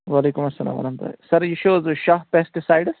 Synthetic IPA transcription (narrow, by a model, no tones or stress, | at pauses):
ʋaːleːkumɐsːɐla̰ːmɐ̰nɐnt̪ɐ̰sɐɾjiʃoːzʃaːɦpesʈisajɖs